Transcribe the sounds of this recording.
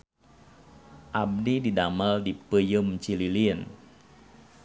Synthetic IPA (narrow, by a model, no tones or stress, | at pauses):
ʔab̚dididamaldipəjəmt͡ʃililiən